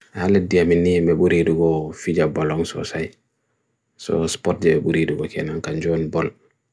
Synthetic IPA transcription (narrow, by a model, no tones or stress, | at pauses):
halɛdiaminːimɛɓuɾiduɡɔfid͡ʒabɔlɔŋsɔ̰saj | sɔ̰spɔt̚d͡ʒɛbɛbuɾiduɡɔkʰɛnaŋkand͡ʒɔnbɔl